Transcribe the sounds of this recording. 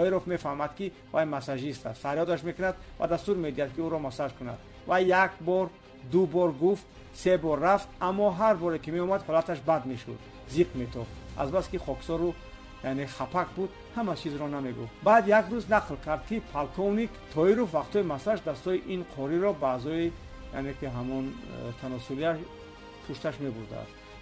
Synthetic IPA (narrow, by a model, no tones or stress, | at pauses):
t̪ʰɔiɾofme̞fahmad̪ki | vajmasaʒist̪ʰa̰ssaɾjɔd̪aʃmekunad̪ba̰d̪ast̪uɾme̞d̪iad̪̚kiuɾɔmasad͡ʒkuna̰d̪̥ | vajːakbɔɾ | d̪ubɔɾɡuft̪ | sebɔrːaft̪amːɔɦaɾbɔɾekime̞ɔmad̪hɔlat̪ʰaʃbad̪meʃṵd̪ | ziqmet̪ʰɔχa̰zbaskiχɔksɔɾu | janeχapʰakbud̪ | hamat͡ʃʰizɾɔname̞ɡṵft̪bad̪jakɾuznaqlkʰaɾd̪̚kipʰalkʰɔvnikt̪ʰɔiɾufvaqt̪ʰɔimasaʃd̪ast̪ɔiʔinqʰɔɾiɾɔbaːzɔi | ja̰nekiɦamɔnt̪ʰanɔsuliaʃ | pʰuʃt̪aʃme̞buɾd̪a̰a̰st̪